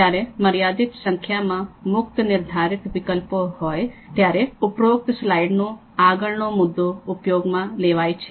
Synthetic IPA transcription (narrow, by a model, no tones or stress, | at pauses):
aɾeməɾijad̪it̪sə̃ŋkʰjamãmʊkt̪ənɪɾd̪ʱaːɾɪt̪ʋɪkəlpoɦɔːjt̪jaːɾeʊpɾoʊk̚t̪əslaiɖno | aːɡəɭnomʊd̪ːoʊpjoːɡmãleʋajt͡ʃʰe